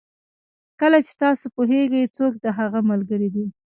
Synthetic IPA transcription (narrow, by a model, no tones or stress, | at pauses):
kəlat͡ʃe̥t̪ɑsopoɦeɡəjt͡sok̚d̪əɦaɣamalɡəɾid̪i